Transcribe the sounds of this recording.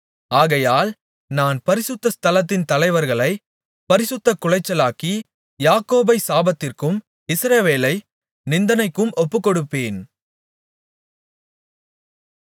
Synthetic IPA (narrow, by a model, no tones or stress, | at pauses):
aːɣɐjaːl | naːnpɐɾɪsɯt̪ːɐst̪ɐlɐt̪̬ːɪnt̪ɐlɐɪʋɐɾɣɐɭɐɪ | pɐɾɪsɯt̪ːɐkːʊɻɐɪt͡ʃːɐlaːki | jaːkoːbɐɪsaːbɐt̪ːɪrkɯm | ɪsɾɐʋeːlɐɪ | nɪnd̪ɐnɐɪkːɯmʔɔpːɯkːɔɽɯpːeːn